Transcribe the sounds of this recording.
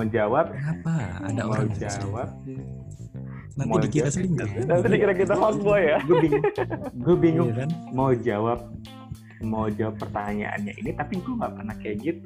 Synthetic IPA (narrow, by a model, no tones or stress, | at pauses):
maud͡ʒawap̚apaa̰daaud͡ʒawap̚ | nmaikiasiŋanant̪idikiɾakit̪ahɔk̚buajaɡubiŋɡubiŋʊmaud͡ʒawap̚ | maud͡ʒawapːərt̪aɲa̰ʔa̰nɲa̰ʔḭnit̪apiɡuŋɡa̰ʔpərnahkaɡɪt̪̚